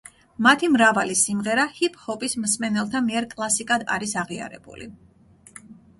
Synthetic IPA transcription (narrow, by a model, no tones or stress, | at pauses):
mat̪ʰimɾavalisimʁɛɾahipʼhɔpʼismsmɛnɛlˠt̪ʰamiɛɾkʼlˠasikʼad̪a̰ɾisaʁia̰ɾɛ̰bṵlḭ